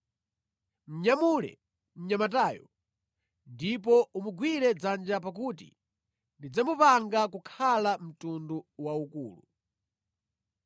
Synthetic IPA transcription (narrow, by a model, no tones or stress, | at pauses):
m̩ɲamulɛ̰ | m̩ɲamataːjɔ̰ | ndip̬ɔumuɡwiɾɛd͡zand͡ʒapak̬utḭ | ndid͡zamupaŋɡakukʰalam̩tunduwaukṵːlu